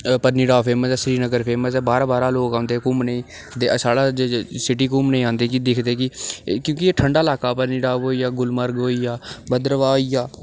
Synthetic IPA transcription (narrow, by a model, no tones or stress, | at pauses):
pəɾniːɖaːpʰeːməsɛːsɾiːnəɡəɾpʰeːməsɛːbaːɾaːbaːɾaːloːkãːnd̪eːkʊmnĩː | d̪eːəsaːlaːd͡ʒesɪʈiːkʊmnəĩːãːnd̪eːk̬id̪ɪkʰd̪eːkɪkjõːkieːʈʰəɳɖaːɪlaːkaːpəɾniːɖaːɦoːiːaːɡʊlməɾɡɦoːiːjaːbəd̪ɾʋaːoiːjaː